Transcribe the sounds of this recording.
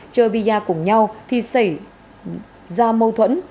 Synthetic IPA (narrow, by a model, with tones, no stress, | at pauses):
t͡ɕəː˧ɓi˧aː˧kʊ˧˩ŋ͡mɲa˧wt̪ʰi˨˩sa˧˩j | zaː˧mə˧wt̪ʰwə̰˧˥n